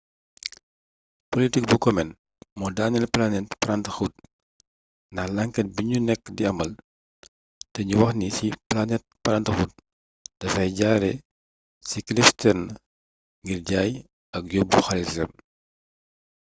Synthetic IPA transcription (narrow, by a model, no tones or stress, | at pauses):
politik̚bukɔmɛn | mɔdanɛlplanɛt̚pɐɾɐntəxut̚ | ndɐxlɐŋkɛt̚biɲunɛkːdiɐmɐl | tɛɲuwɐxnisiplanɛt̚pɐɾɐntɐxuːt̚ | d̥ɐfɐjɟaːɾɛ | siklistɛrn | ŋɡirɟaːj | ɐk̚jobːuxɐlissɛm